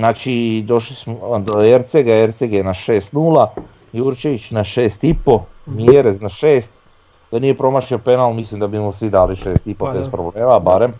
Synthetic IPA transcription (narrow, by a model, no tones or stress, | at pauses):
znaːt͡ʃid̪o̞ʃlismod̪oeɾt̪seɡaeɾt̪seɡenaʃe̞ːst̪nuːlˠa | juɾt͡ʃeʋit͡ɕnaʃeːst̪ipo̞mieɾesnaʃeːst̪ | d̪̥anije̞pɾo̞maʃiopenalmislimd̪abimosʋid̪aːliʃeːst̪ipobespɾobleːmabaɾem